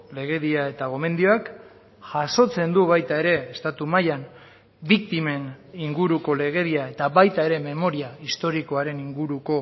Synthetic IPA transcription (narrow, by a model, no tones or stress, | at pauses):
le̞ɣ̞e̞βiae̞t̪aɣo̞me̞nd̪io̞ak | ʝ̥aso̞t͡se̞nd̪uβajt̪ae̞ɾe̞ːst̪at̪umajan | bikt̪ime̞niŋɡuɾuko̞le̞ɣ̞e̞ðiae̞t̪aβajt̪ae̞ɾe̞me̞mo̞ɾiaist̪o̞ɾiko̞aɾe̞niŋɡuɾuko̞